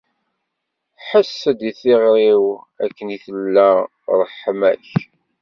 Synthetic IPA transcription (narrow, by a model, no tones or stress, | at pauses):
ħəsːəd̪iθɪʁɾiw | ækːəniθəlːæ | ɾˤəħːmæ̰ç